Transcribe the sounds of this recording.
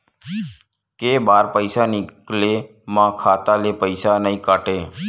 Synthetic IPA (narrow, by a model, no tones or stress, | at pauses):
keːbaːɾpəɪsaːnɪkleː | mãːkʰaːt̪aːleːpəɪsaːnəĩːkaːʈeː